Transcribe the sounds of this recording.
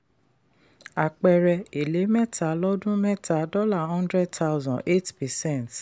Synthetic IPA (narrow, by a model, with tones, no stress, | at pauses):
a˨k͡pɛ˧ɾɛ˧e˨le˨˦mɛ˦tʰa˨˦lɔ˦dũ˦mɛ˦tʰa˨˦dɔ˦la˦˨hɔ̃˦ndɾɛ˦d̚ta˦wzɔ̃˨e˦tpɛ˨sɛ̃˦˨nt